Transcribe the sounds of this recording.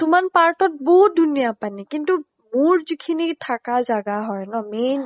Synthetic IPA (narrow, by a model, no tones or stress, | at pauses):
tʊmanpaɹtɔt̚bɔɦut̚dʱunijapanikintu | muɹzikʰinitʰakazaɡaɦɔjnɔmen